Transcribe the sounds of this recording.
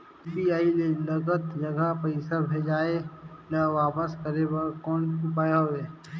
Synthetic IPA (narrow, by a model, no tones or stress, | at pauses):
piaːilelɐɡət̪d͡ʒɐɡəpəɪsəbʱeːd͡ʒaːelaʋaːpəskəɾebəɾkɔːnupaːjaeː